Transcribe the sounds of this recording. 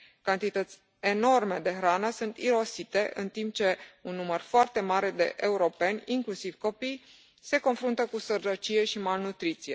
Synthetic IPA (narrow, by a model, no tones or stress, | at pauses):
kant̪it̪ət̪sʲ | eno̞rme̞d̪e̞xɾanəsunt̪iɾo̞sit̪e̞ʔɨnt̪imp̚t͡ʃe̞unːumərfoart̪e̞maɾe̞d̪e̞̰ʔeuɾo̞pe̞nʲiŋklusiv̥ko̞pij | se̞ko̞nfɾunt̪əkusərɾət͡ʃije̞ʃimalnut̪ɾit̪sije̞